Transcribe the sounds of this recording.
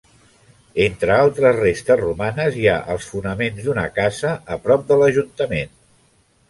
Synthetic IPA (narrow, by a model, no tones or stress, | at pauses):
ent̪ɾəalˠt̪ɾəzrest̪əzrumanəzja̰ʔəlˠsfunəmenzd̪unə̰kazəəpɾɔp̚d̪ələʒunt̪əmen